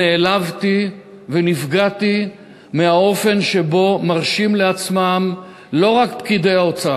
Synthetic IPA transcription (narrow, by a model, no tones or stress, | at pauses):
eːlavt̪i | venifɡati | meao̞fe̞nʃe̞bo̞maʁʃimleat͡smam | lo̞ʁakpkid̪ejao̞t͡saa